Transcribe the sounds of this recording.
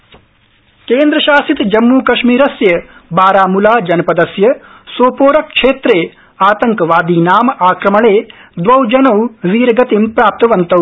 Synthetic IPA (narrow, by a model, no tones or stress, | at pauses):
keːnd̪ɾɐʃaːsit̪d͡ʒɐmːuːkɐʃmiːɾɐsjɐbaːɾaːmulaːd͡ʒɐnɐpɐd̪ɐsjɐ | soːpoːɾɐkkʂeːt̪ɾeː | aːt̪ɐŋkɐʋaːd̪iːnaːmɐaːkɾɐmɐɭeːd̪ʋɐwd͡ʒɐnɐwʋiːɾɐɡɐt̪impɾaːp̚t̪ɐʋɐnt̪ɐw